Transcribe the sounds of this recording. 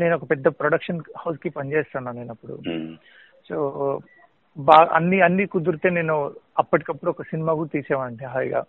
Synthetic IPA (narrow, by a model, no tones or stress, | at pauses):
ne̞ːnuɔkɐpɛd̪ːɐpɾoɽɐkʂɐnhɐwskipɐɲt͡ʃeːst̪aːnːaːneːnɐpːuɽṵ | soː | baːɡɐɐ̰nːiɐnːikud̪uɾt̪e̞ːne̞ːnuɐpːɐʈ̬i̥kɐpːuɽuɔkɐsinimaːkuːt̪iːsɛːʋaːɳʈiɦaːjɡa̰ː